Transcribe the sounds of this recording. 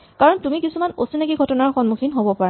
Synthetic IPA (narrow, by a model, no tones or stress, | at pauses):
kaɹɔntumikisumanosinakiɡʱɔtɔnaɹxɔnmuxʰinɦobɔpaɹa